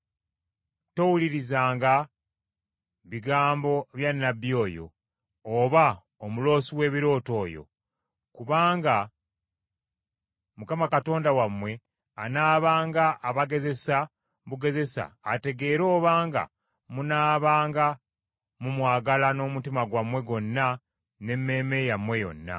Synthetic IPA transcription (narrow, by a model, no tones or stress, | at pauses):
to̞wuliɾizaːŋɡa | βiɡaːmbo̞βjanːabjo̞ːjo̞̰ː | βa | omulo̞ːsiwe̞ːβiɾo̞ːto̞ːjo̰ | kuβaːŋɡa | mukamakato̞ːndawamwe̞ | anaːβaːŋɡaʔːβaɡe̞ze̞sa | βuɡe̞ze̞sa̰ːte̞ɡe̞ːɾo̞ːβaːŋɡa̰ | munaːβaːŋɡa | mumwaːɡalano̞ːmutimaɡwamwe̞ɡo̞nːa | ne̞mːe̞ːme̞jamwe̞jo̞̰nːa̰